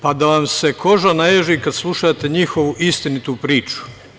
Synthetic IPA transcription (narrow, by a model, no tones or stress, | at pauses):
pad̪aʋamsekʰo̞ʒanajeʒikad̪slˠuʃat̪e̞ɲixo̞ʋuʔist̪init̪upɾiːt͡ʃu̥